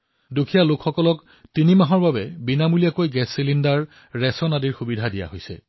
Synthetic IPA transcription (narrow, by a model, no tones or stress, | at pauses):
dukʰijalokxɔkɔlɔk | tinimaɦɔɹbabɛbinamulijakojɡɛsːilindaɹː | ɛsɔnadiɹxubidʱadija̰ɦojsɛ̰